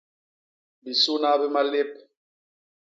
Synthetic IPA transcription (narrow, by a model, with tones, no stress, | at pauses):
bi˨su˦na˦bi˦ma˦le˦p̚